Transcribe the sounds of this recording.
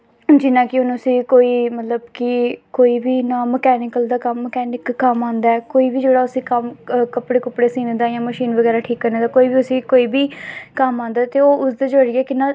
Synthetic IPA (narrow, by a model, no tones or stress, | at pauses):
d͡ʒɪnãːkɪʊnəsĩːkoːiːmət̪ləbkɪkoːiːbiːnãːməkɛːnɪkəld̪aːkəmːəkɛːnɪkːəmãːnd̪aːɛːkoːiːbiːd͡ʒeːɽaːʊsĩːkəmkəpɽeːkʊpɽeːsĩːnẽd̪aːjãːməʃiːnʋəɡɛːɾaːʈʰiːkːəɾnẽːd̪aːkoːiːbiːʊsĩːkoːiːbiːkəmãːnd̪aːt̪eːoːʔʊsd̪aːd͡ʒəːɾɪːɛːkɪnãː